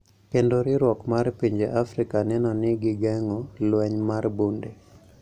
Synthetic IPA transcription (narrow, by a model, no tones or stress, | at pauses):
kendoɾɪɾwɔkmarpiɲd͡ʒeʔafɾɪkanɛnɔnɪɡɪɡɛŋɔlwɛɲmarbunde